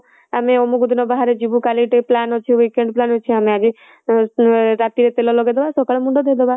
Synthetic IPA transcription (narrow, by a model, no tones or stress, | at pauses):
ameomuɡud̪ʱnɔbaɦaɾed͡ʒibukaliʈeplanot͡ʃʰiʋikeɳɖplanot͡ʃʰeəmead͡ʒi | ɾat̪iɾet̪elɔloɡed̪ɔbasɔkaɭemũɳɖod̪ʱed̪ɔba